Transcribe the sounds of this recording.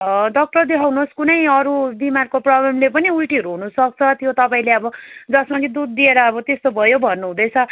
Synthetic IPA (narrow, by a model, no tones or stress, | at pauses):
d̪ʌk̚ʈʌd̪eɦʌwnoskunʌjʌɾubimarkoprʌblʌmlepʌniulʈiʌɾuɦunusʌk̚t͡sʰʌt̪jot̪ʌpaĩleʌbʌd͡zʌsmakid̪ud̪̚ːieɾʌːbʌt̪est̪obʱʌjobʱʌnːuɦũd̪ʌjt͡sʰʌ